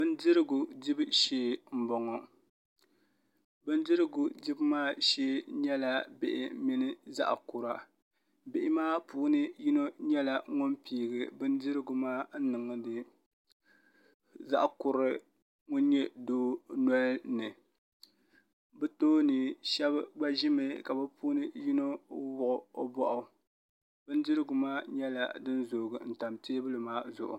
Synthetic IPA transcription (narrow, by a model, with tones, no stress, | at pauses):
bɨ˦n˦dɨ˦ɾɨ˦ɡu˨dɪ˦bɨ˦ʃeː˦m̩˨bɔ˨ŋɔ˨ | bɨ˦n˦dɨ˦ɾɨ˦ɡʊ˨dɪ˦bɨ˦maː˦ʃeː˦ɲɛ˦la˦bɪ˨ʔɪ˨˦mi˦nɨ˦za̰˦ʔkʊ˨ɾa˨ | bɪ˨ʔɪ˦maː˦puː˦nɨ˦ji˦no˦ɲɛ˦la˨ŋʊ˦mpiː˦ɡɨ˨bɨ˦n˦dɨ˦ɾɨ˦ɡʊ˨maː˦n̩˦nɨ˨ŋɨ˨dɨ˨ | za̰˦ʔkʊ˨ɾɨ˦ | ŋʊ˦n˦ɲɛ˦doː˦nɔ˦lnɨ˨ | bɨ˦toː˦nɨ˨ʃɛ˦bɡ͡ba˦ʒɪ˦me˦ka˨bɨ˦puː˦nɨ˦ji˦no˦wʊ˨ʔʊ˨o˦bɔ˦ʔʊ˦ | bɨ˦n˦dɨ˦ɾɨ˦ɡʊ˨maː˦ɲɛ˦la̰˨dɨ˦nzoː˨ɡɨ˨n̩˨ta˨mteː˦bɨ˦lɨ˨maː˦zʊ̰˨ʔʊ̰˨